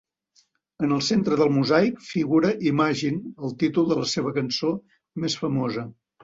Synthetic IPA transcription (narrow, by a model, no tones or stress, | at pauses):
ənəlˠsent̪ɾəðəlˠmuzajkfiɣuɾəʔimaʒinəlˠt̪it̪ulˠd̪ələseβ̞əkənso | mesfəmozə